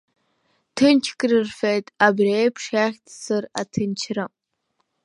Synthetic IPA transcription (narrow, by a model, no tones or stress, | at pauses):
tʰɨnt͡ʃʰkʼrɨrfejtʼabrejpʰʂaːχʲtʰsɨra̰tʰɨnt͡ʃʰramʼ